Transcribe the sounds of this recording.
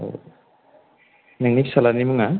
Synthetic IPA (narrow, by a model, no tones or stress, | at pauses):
o̰ | naŋnipsalanimɯŋa